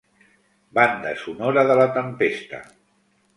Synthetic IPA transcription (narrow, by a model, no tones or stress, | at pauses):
band̪ə̰sunoɾəðələt̪əmpest̪ə̰